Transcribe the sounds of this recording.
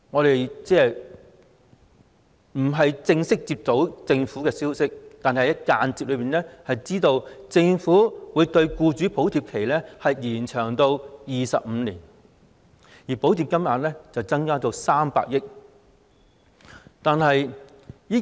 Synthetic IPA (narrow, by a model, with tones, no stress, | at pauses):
ŋɔː˨˧t̪e˨jt͡sɛː˥ | m̩˨˩ɦɐ˨jt͡sɪ˧ŋsɪ˥k̚t͡siː˧p̚t̪o˨˥wt͡sɪ˧ŋfuː˨˥kɛː˧siː˥wsɪ˥k̚t̪aː˨nhɐ˨hjɐ˥t̚kaː˧nt͡siː˧p̚lɵ˨˧piː˨˩nɛː˥hɐ˨jt͡siː˥t̪o˧wt͡sɪ˧ŋfuː˨˥wuː˨˧jt̪ɵ˧ɥkuː˧t͡ʃyː˨˥po˨˥wt̪ʰiː˨˧p̚kʰe˨˩jlɛ˥hɐ˨jjiː˨˩nt͡ʃʰœː˨˩ŋt̪o˧wjiː˨˩sɐ̰˨p̚m̩˨˧liː˨˩n | jiː˨˩po˨˥wt̪ʰiː˨p̚kɐ˥mjaː˨˧nlɛː˥t͡sɐ˨wt͡sɐ˥ŋkaː˥t̪o˧wsaː˥mpa̰ː˧k̚jɪ˥k̚ | t̪aː˨nɦɐ˨j | jiː˥